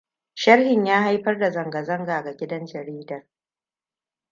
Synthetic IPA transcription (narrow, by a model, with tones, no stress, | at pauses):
ʃɐ˦rhɪ˨ɲjaː˦ha˦jɸɐ˦rda˨zɐ˨ŋɡɐ˨zɐ˦ŋɡaː˨ɡa˨ɡʲɪ˦dɐ˦nt͡ʃɛ˨ɽiː˦dɐ˨r